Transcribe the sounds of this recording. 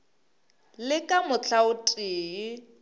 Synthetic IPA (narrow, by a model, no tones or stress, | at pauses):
lɪkʼamʊt͡ɬʰaʊtʼiːi